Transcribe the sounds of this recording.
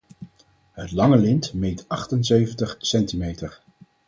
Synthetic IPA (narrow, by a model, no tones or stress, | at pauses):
ɦətlɑŋəlɪntmejtʔɑχtənseɥvəntəχsɛntimejtəɹ